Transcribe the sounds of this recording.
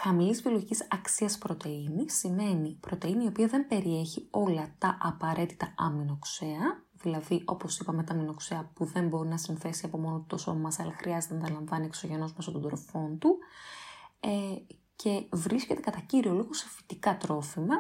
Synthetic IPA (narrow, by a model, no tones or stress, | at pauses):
xɐmilizvioloʝicisɐksiɐspɾot̪e̞inisime̞nipɾo̞t̪e̞iniopiɐðe̞mbe̞ɾie̞çio̞lɐt̪ɐʔɐpɐɾe̞t̪i̥t̪ɐɐ̰mino̞kse̞ɐ | ðilɐðiʔo̞po̞sipɐme̞t̪ɐmino̞kseɐpuðe̞mbo̞ɾinɐsinθe̞siɐpo̞mo̞not̪o̞so̞̰mɐmɐsɐlɐxɾʔiɐzet̪enɐt̪ɐlɐɱvɐnieksoʝe̞no̞zmest̪ot̪od̪ɾo̞fo̞nt̪u | e | cʰe̞vɾisce̞t̪e̞kɐt̪ɐciɾio̞liɣo̞so̥fi̥t̪ikɐt̪ɾo̞fimɐ